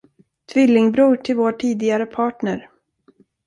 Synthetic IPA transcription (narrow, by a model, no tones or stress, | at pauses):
t̪ʰvɪlːɪŋbɾuːʈʰɪlvoːʈʰiːd̪ɪɡaɾəpʰɑːʈɳəɾ